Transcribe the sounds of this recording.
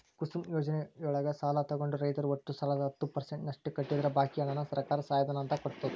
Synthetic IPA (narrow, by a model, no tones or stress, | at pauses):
kusumjoːd͡ʒɐnejɔɭɐɡɐsaːlɐt̪ɐɡoɳɖuɾɐjt̪ɐɾuoʈːust̪ʰɐlɐd̪ɐɦɐt̪ːupɐɾseɳʈnɐʂʈːukɐʈːid̪ɐɾɐbʱaːkijɐnɐnːɐsɐɾkaːɾɐsaːjɐd̪ʱɐnaːnt̪ɐkoɽt̪ːɐd̪u